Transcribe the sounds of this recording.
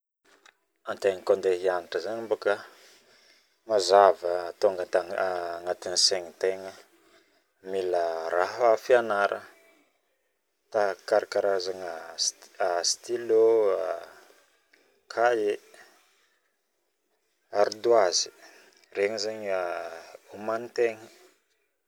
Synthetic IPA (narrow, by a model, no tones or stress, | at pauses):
ant̪eŋəkond̪eɦianiʈ͡ʂəzaɲimbokə | mazavəːt̪oaŋat̪aŋat̪iniseŋit̪eŋə | miləɾaɦafianaɾʔə | t̪akaɾakaɾazaŋaast̪iloa | kʰaje | aɾid̪uazi̥ | reŋizaɲaumanit̪eŋə